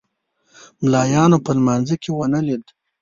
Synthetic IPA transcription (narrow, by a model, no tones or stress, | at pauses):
mlɑjɑnopəlmanzəkʰewənalid̪